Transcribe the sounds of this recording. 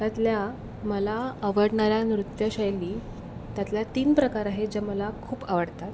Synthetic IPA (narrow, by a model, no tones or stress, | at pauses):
t̪jat̪lja | məlaəʋəɽɳaɾjanɾut̪jəɕəjliː | t̪jat̪ljat̪iːnpɾəkaɾaɦed͡ʑeməlakʰuːpaʋəɽt̪at̪